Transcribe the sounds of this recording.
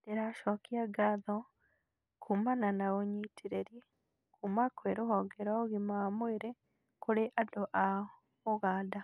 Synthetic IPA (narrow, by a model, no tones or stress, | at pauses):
deɾaʃɔkiaɡaðɔ | kʰumananaɣoɲitʰiɾeɾje | kumakweɾoɦɔɡɛɾɔɣimaamweɾe | koɾeʔadoʔa | oɣaːda